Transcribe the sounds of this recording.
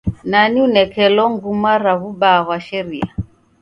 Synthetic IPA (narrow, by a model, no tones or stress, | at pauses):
naniunɛkɛlɔŋɡumaɾaβubaɣwaʃɛɾia